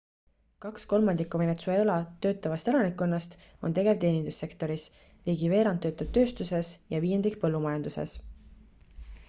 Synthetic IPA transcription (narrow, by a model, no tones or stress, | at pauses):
kɑksko̞lmɑnd̪ikːˑuve̞net̪suelɑt̪ø̞ːt̪ːˑɑvɑst̪e̞lɑnikːˑonːɑst̪o̞̰nt̪e̞ɡe̞vt̪e̞ːnʲind̪̥usːe̞kt̪o̞ɾis | liːɡive̞ːɾɑnt̪ːˑø̞ːt̪ːˑɑd̪̥̚t̪ø̞ːst̪use̞sjɑviːje̞nd̪ikpɤlːumɑjɑnd̪̥use̞̰s